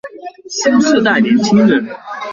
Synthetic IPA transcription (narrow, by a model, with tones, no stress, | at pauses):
ɕjɛ˥nʂ̩˥˧t̪a˥˩ɪnjɛ˧˥nt͡ɕʰi˥ŋɻə˧˥n